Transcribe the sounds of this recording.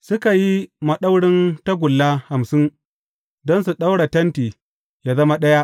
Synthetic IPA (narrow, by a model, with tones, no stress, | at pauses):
sʊ˦ka˨ji˦mɐ˨ɗa˦wɽɪ˦nta˦ɡʷʊ˨lːaː˦ha˨msɪ˦n | dɔ˦nsu˨ɗa˦wɽa˨tɐ˦ntiː˨ | jaː˦zɐ˦ma˦ɗɐ˦ja˦ʔ